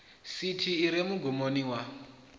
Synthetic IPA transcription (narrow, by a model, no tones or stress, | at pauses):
sitʰiːɾemuɡʱumoniwa